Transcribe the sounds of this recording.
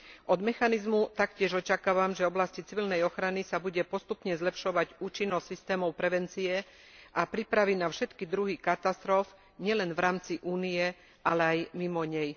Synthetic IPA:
ʔɔd̪mɛxanizmut̪akcɪɛʒɔt͡ʃakaːʋamʒɛɔblascit͡siʋilnɛjɔxɾanisabuɟɛpɔst̪upɲɛzlɛpʃɔʋaɟuːt͡ʃinːɔssist̪ɛːmɔʊpɾɛʋɛnt͡siɛ | ʔapɾipɾaʋinafʃɛt̪kid̪ɾuɦikat̪ast̪ɾɔf | ɲɪɛlɛnvɾaːmt͡siʔuːnijɛ | ʔalɛajmimɔɲɛj

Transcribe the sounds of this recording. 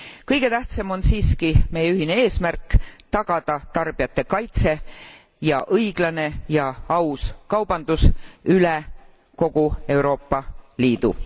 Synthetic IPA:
kɤjɡ̥e̞t̪æht̪semo̞nsiːskime̞jeyɦine̞e̞ːsmærkːˑt̪ɑɡ̥ɑd̪̥ɑt̪ɑrb̥ijɑt̪ːˑe̞kɑjt̪se̞ | jɑʔɤjɡ̥lɑne̞jɑɑwskɑwb̥ɑnd̪̥usyle | ko̞ɡ̥ue̞wɾo̞ːpːˑɑliːd̪̥ṵ

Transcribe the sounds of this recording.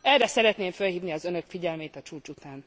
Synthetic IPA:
ɛrɛsɛɾɛt̪neːɱfølɦiːvniɒzønø̞kfiɟɛlmeːt̪ɒt͡ʃuːt͡ʃut̪aːn

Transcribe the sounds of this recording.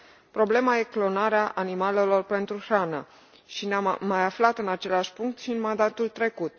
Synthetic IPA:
pɾo̞ble̞maje̞klo̞naɾeaʔanimale̞lo̞rpe̞nt̪ɾuxɾana | ʃinaːajaflat̪ɨnat͡ʃe̞leaʃʲpuŋk̚t̪ʃiɨnmand̪at̪ult̪ɾe̞kut̪̚

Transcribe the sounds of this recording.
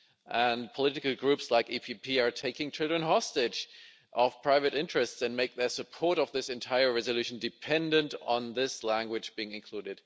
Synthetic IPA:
ʔə̃npʰəlɪɾɨkl̩ˠɡɹʉpslaɪkipʰipʰiə˞tʰeɪkɪ̃ŋt͡ʃʰɪlˠdɹɨ̃nɦɑstɪd͡ʒ | ʔʌv̥pʰɹ̥aɪvɨɾɪ̃nt͡ʃɹ̥ɨstsɨ̃nmeɪk̚ðə˞sɨpʰɔɹɾʌvðɪsɨ̃ntʰaɪə˞ɹɛzəlʉʃn̩dɨpʰɛ̃ndɨ̃ntn̩ðɪslæ̃ŋɡwɨd͡ʒb̥iɪ̃ŋɨ̃nkʰl̥uɾɨd̥

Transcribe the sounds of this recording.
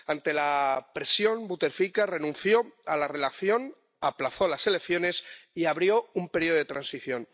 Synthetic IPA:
ant̪e̞lapɾe̞sjo̞mbut̪e̞ɾfikare̞nũn̟θjo̞alare̞laθjo̞n | aplaθo̞lase̞le̞kθjo̞ne̞siaβɾjo̞umpe̞ɾio̞e̞t̪ɾansiθjo̞n

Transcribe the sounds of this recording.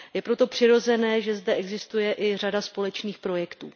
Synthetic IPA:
jɛpɾo̞t̪o̞pr̥ɪɾo̞zɛnɛːʒɛzdɛʔɛɡzɪst̪ujɛʔɪr̝adaspo̞lɛt͡ʃniːxpɾo̞jɛkt̪uː

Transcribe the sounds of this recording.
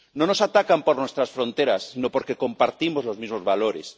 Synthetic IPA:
no̞no̞sat̪akampo̞ɾnwe̞st̪ɾasfɾo̞nt̪e̞ɾasːino̞po̞ɾke̞ko̞mpaɾt̪imo̞zlo̞zmizmo̞zβalo̞ɾe̞̰s

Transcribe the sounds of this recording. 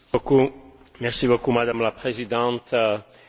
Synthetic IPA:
oku | mɛʁsibokumad̪amlapχezid̪ɑ̃t̪

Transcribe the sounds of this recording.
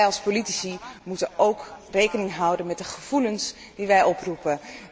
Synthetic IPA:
jɑlˠspolitisimutənowkrejkənɪŋɦʌwdənmɛt̚dəχəv̥uləns | d̥iʋɛjɔprupə

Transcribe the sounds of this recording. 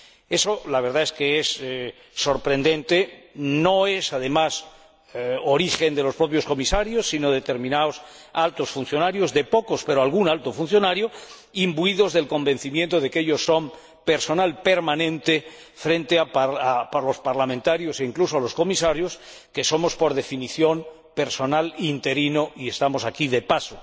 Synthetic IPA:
e̞so̞laβ̞e̞ɾð̞ae̞skeesː | o̞ɾpɾe̞nd̪e̞nt̪e̞no̞e̞saðe̞mas | oɾixe̞nd̪e̞lopɾo̞p̬jo̞sko̞misaɾjo̞sːino̞ðe̞t̪e̞ɾmĩnaos | alt̪osfun̟θjo̞naɾjo̞zðe̞po̞ko̞spe̞ɾoalɣ̞unalt̪o̞funθjo̞naɾjo | imbuiðozðe̞lko̞mbe̞n̟θimjent̪oð̞ekeʎo̞sːo̞m | pe̞ɾso̞nalpe̞ɾmanẽ̞nt̪e̞ | fɾe̞nt̪eaaplo̞spaɾlamẽnt̪aɾjose̞iŋklusoalo̞sko̞misaɾjo̞s | ke̞so̞mo̞spo̞ɾðe̞finiθjo̞m | pe̞ɾso̞nalint̪e̞ɾinoie̞st̪amo̞sakiðe̞paso

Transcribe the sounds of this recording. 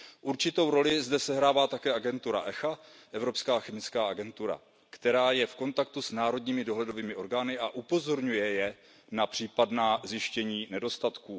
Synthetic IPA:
ʔuɾt͡ʃɪt̪o̞wɾo̞lɪzdɛsɛɦɾaːvaːt̪akɛːʔaɡɛnt̪uɾa̰ʔɛxa | ʔɛvɾo̞pskaːxɛmɪt͡skaːʔaɡɛnt̪uɾa̰ | kt̪ɛɾaːjɛfko̞nt̪ak̚t̪usnaːɾo̞dɲiːmɪdo̞ɦlɛdo̞viːmɪʔo̞ɾɡaːnɪʔaʔupo̞zo̞ɾɲujɛjɛ | napr̝̥iːpadnaːzjɪʃcɛɲiːnɛdo̞st̪at̪kuː

